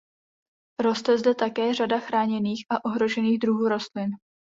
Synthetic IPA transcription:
ɾo̞st̪ɛzdɛt̪akɛːr̝adaxɾaːɲɛniːxʔaʔo̞ɦɾo̞ʒɛniːɣd̪ɾuɦuːɾo̞st̪lɪn

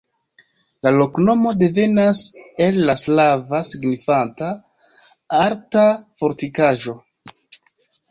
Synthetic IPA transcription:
lalo̞kno̞mo̞de̞ve̞nase̞lːaslavasiɡnifanta | aɾtafo̞ɾtikaʒo̞

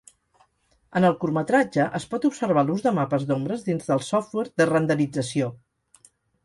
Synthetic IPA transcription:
ənəlˠkurmət̪ɾad͡ʒəʔəspɔt̪upsəɾβ̞aluzðəmapəzðombɾəzðinzðəlˠsɔft̪wɛɾðərənd̪əlid͡zəsio

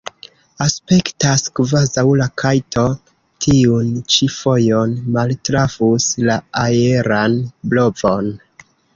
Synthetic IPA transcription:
aspe̞ktaskvazawlakʰajtʰo̞ | tʰiunt͡ʃifo̞jo̞nmaltɾavuslaajeɾanblo̞vo̞n

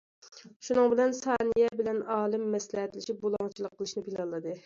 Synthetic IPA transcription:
ʃunɨŋbɪlɛnsɑːnɨjɛbɪlɛnɑːlˠɨmːɛslɪɦɛt̪lɪʃip̚bolˠɑŋt͡ʃʰilˠəqːəlˠɨʃnɪpʰilɑlˠːɨd̪ɨ

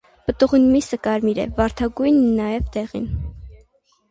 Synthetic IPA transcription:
pət̪uʁinmisəkɑɾmiɾɛ̰vɑɾt̪ʰɑɡujnːɑjɛvd̪ɛʁḭn

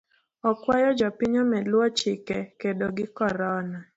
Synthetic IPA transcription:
ɔkwajɔd͡ʒɔpiɲɔmɛlwɔt͡ʃɪkɛkedoɡɪkɔɾɔna

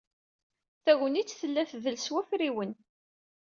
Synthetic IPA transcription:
θæɣənit͡sːθəlːæθðəlswæfɾiwən

